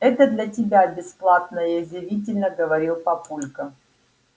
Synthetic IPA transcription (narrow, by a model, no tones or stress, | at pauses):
ɛt̪əd̪lʲɐtʲɪbʲabʲɪsplˠat̪̚nəjəzʲɪvʲit̬ʲɪlʲnəɡəvɐɾʲilˠpɐpulʲkə